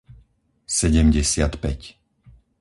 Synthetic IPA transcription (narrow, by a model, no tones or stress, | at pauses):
sɛɟɛmɟɛsɪat̪pɛc